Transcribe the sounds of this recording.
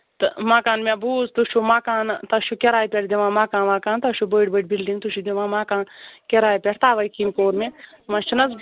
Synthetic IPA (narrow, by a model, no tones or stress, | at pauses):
t̪ɨmaːkaːnmebuːzt̪uʃumaːkaːnt̪ɐʃukeɾaːjpʲeʈd̪iʋãːmaːkãːnʋaːkaːnt̪ɐʃubəːʈbəːʈbilɖiŋɡt̪uʃʰud̪ʲiʋãːmaːkaːnkeɾaːjpʲeʈʰt̪aːʋɐːkiːmkoːɾmẽt̪mãʃʰunɐz